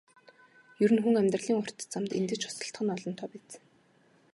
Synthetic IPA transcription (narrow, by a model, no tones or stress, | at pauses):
jɵɾɘ̆nxuŋæmʲt̪rə̆ɮiːŋʊr̥t̪t͡samt̪ḛnt̪ɘ̆t͡ɕʰʊ̥sə̆ɬt̪χə̆nɔɮɞ̆nt̪ʰɔːpæːt͡s